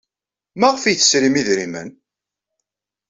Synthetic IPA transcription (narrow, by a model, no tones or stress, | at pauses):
mæʁfijθə̥sɾimiðɾimə̰n